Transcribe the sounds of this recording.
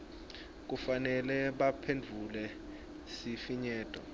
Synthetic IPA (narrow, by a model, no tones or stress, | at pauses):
k̬ufanɛlɛɓapʰend͡vʱulɛ | sifiɲɛːtʼɔ̰